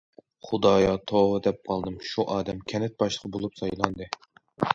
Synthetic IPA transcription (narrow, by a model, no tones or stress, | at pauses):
χud̪ɑːjɑt̪ʰoʁɨd̪ɛp̚qʰɑlˠd̪ɨmʃuʔɑːd̪ɛmkʲʰɛnɛt̪̚bɑʃlˠəqʰbolˠupsɑjlˠɑnd̪ɨ